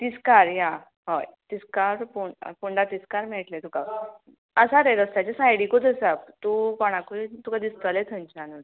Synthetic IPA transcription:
t̪iskaɾjã | ɦɔjt̪iskaɾpupuɳɖat̪iskaɾmɛʈlet̪uka | əsaɾeɾəst̪at͡ɕasajɽikot̪əsabt̪ukɔɽ̃ãkut̪ukad̪ist̪əlet̪ʰəɲt͡ɕanun

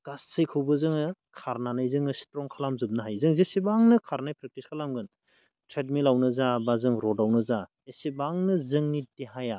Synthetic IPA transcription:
ɡ̥asːɯjkʰɯwbɯzɯŋkʰaɾnanajzɯŋɯsi̥tɾɔŋkʰalamzɯp̚nɯɦajzɯŋzesibaŋnɯkʰaɾnajpɾek̚tiskʰalamɡɯn | tʰɾet̚milawnɯzabazɯŋɾɔdawnɯza | esibaŋnɯzɯŋnitiɦaja

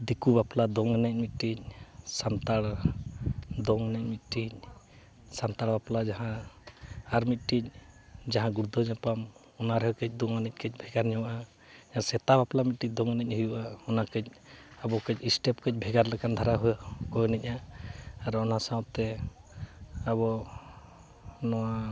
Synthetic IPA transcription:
d̪ikubaplad̪ɔŋɛnɛc̚ˀmit̪̚ʈic̚sant̪aɽ | d̪ɔŋɛnɛc̚mit̪̚ˀʈic̚ | sant̪aɽbaplad͡ʒaɦã | aɾmit̪̚ˀʈic̚ˀd͡ʒaɦãɡuɾd̪ʱɔɲapam | ɔnaɾɛɦɔkɛc̚ˀd̪ɔŋɛnɛc̚kɛc̚ˀbʱɛɡaɾɲɔwaʔa | d͡ʒaasɛt̪abaplamit̪̚ʈic̚d̪ɔŋnɛc̚ɦujuʔaɔnakɛc̚abɔkɛc̚isʈɛpkɛc̚ˀbʱɛɡaɾlɛkand̪ʱaɾaɦujakɔjnɛc̚ˀaaɾɔnasawt̪ɛ | aβɔ | nɔwa

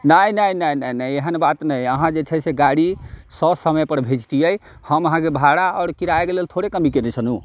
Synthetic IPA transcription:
nəjnəjnəjnəjnəjeɦənbat̪nəjəɦãd͡ʒet͡ʃʰəseɡaɽisɔsəməjpəɾbʱed͡ʒt̪ijəjhəməɦãkebʱaɽaɔːɾkiɾaekelelt̪ʰoɽekəmikenɛt͡ʃʰənu

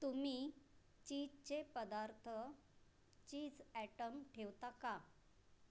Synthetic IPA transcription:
t̪umiː | t͡ɕid͡ʑt͡ɕepəd̪aɾt̪ʰə | t͡ɕiːd͡zæʈəmʈʰewt̪aka

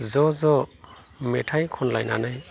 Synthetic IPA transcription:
zɔzɔ | metʰajkʰɔnlajna̰naj

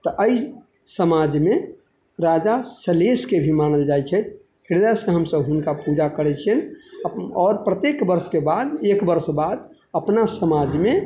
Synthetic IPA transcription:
t̪ɔʔəi | səmad͡ʒme | ɾad͡ʒasəleskebʱimanəld͡ʒajt͡ʃʰɛt̪̚ | hiɾd̪asə̃ɦəmsəbɦʊnkapud͡ʒakəɾɛt͡ʃʰɛn | ɔːɾpɾət̪ekbəɾskebad̪ekbəɾsbad̪ | əpnasəmad͡ʒme

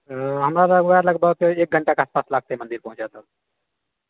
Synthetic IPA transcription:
ɦəmɾaləɡʋaɾləɡbəkeːk̚ɡʱəɳʈakeaːspaːslaːɡ̚t̪emə̃nd̪iɾpə̃ɦũt͡ʃd͡ʒat̪a

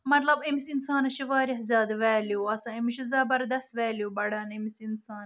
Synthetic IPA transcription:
mɐt̪lɐbimisinsaːnɐʃiʋaːɾʲiɦzʲaːd̪ʋeːljoɐsãimiʃizɐbɐɾd̪ɐst̪ʋeːljobɐɽɐːnimisinsaːn

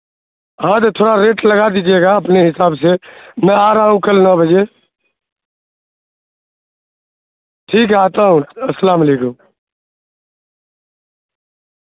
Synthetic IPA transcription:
ɦãːt̪ət̪ʰoːɽaɾeːʈləɡad̪iːd͡ʒieːɡaːəpneɦɪsaːbseːmɛ̃ːaːɾaːɦũkəlnɔːbʱəd͡ʒeː | ʈʰiːk̬aːt̪aːɦũəsəlaːmaleːkʊm

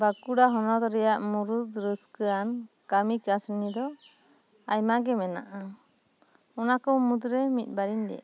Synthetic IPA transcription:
bakuɽaɦɔnɔt̪ɾɛjaʔmuɾud̪ɾəskəan | kamikasnid̪ɔ | ajmaɡɛmɛna̰ʔa | ɔnakɔmud̪ɾɛmit̪̚ˀbaɾind̪ɛ̰

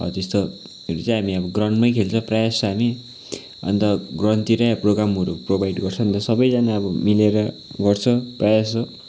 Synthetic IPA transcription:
ʌ̰t̪est̪o | ɾut͡sãj̃ɦamiʌbʌɡrʌɳʈmʌjkʰelt͡sʰʌ̃prajasʌɦami | ʌ̰nt̪ʌɡrʌnt̪iɾaproɡɾamɦʌɾuprobajɖɡʌrt͡sʰʌ̃ʌnt̪ʌsʌbʌjd͡zʌnaʌbʌmileɾʌ | ɡʌrt͡sʰʌprajasʌ

